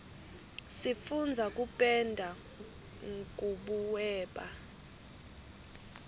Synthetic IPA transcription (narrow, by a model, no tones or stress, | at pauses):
sifund͡zʱak̬ʼupʼɛndʱa | ŋkʼuɓuwɛːɓa